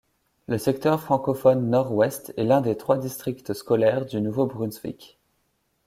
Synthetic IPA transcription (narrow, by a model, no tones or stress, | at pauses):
ləsɛk̚t̪œʁfχɑ̃kɔfɔnːɔʁwɛst̪ɛlɛ̃d̪et̪χwad̪ist̪χikt̪əskɔlɛʁd̪ynuvobʁynsvḭkʲ